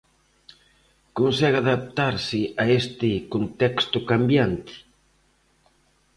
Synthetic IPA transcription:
konsɛɣaðap̚t̪aɾsɪʔaest̪ɪkont̪ɛkst̪ʊkambjant̪ɪ̥

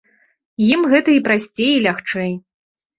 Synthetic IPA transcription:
jimɣɛt̪ɐipɾasʲt͡sʲejilʲaxt͡ʂɛj

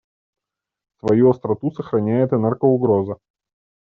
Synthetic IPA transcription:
svɐjuɐst̪ɾɐt̪usəxɾɐnʲæjɪt̪ɨnɛrɡəʊɡɾozɨ

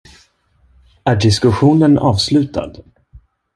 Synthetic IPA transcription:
æɖɪskɵɧuːnənɑːvslʉ̟ːt̪ʰa̰d̪

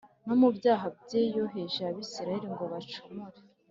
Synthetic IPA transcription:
nomubjaːɦabɟejoɦeʒaβisiɾahiɾiŋɡo̞βat͡ʃumuɾe

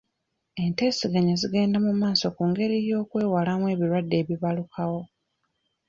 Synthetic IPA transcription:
e̞nte̞ːsiɡaɲaziɡe̞ːndamumaːso̞kuːŋɡe̞ɾijo̞ːkwe̞ːwalamwe̞ːβiɾwadːe̞ːβiβalukʰawo̞

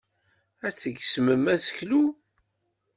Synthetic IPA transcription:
æt͡sːəɡsməmæsə̥çlu

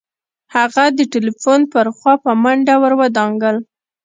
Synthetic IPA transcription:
haɣad̪əʈelifonpəɾxwɑpəmaɳɖawəɾwəd̪ɑŋɡəl

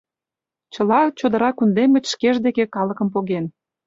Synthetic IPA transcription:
t͡ɕəlɑt͡ɕod̪ə̆ɾɑkund̪emɡə̆t͡ɕʃkeʒd̪ekekɑlə̆kəmpoɣen

